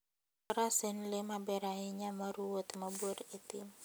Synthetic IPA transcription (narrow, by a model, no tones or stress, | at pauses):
əɾasɪnlimabeɾaɦiɲaməɾuʊt̪məbʊɾit̪im